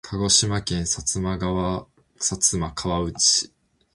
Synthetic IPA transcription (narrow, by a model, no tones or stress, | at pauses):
kʰaɡo̞ɕimakẽ̞ɰ̃sat͡sɨmaɡaβa | sat͡sɨmakʰaβaɯ̟t͡ɕi̥